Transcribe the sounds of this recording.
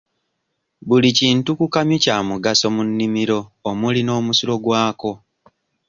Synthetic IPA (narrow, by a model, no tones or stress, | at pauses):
βuliciːntukukamjucaːmuɡaso̞munːimiɾo̞ːmulino̞ːmusuɾo̞ɡwaːko̞